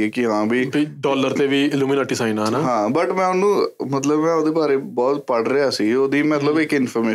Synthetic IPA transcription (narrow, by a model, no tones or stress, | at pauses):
eːkɪɦãːbiːbiːɖɔːləɾt̪eːʋiːɪluːmɪnaːʈiːsãːinaːnaːɦãːbəʈmɛ̃ːʊnũːmət̪ləbmɛ̃ːoːd̪eːbaːɾeːbɔːt̪pəɽɾɪaːsiːoːd̪iːmət̪ləbɪkɪnpʰɔːɾmeː